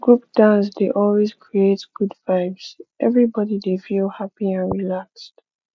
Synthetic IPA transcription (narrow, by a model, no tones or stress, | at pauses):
ɡ̥ɹupd̥ãnsdeʔɔlˠwez̥kʰɹietɡ̥udvaɪvz̥ʔɛ̰vɹibɔdidefilˠhapiãnɹilakst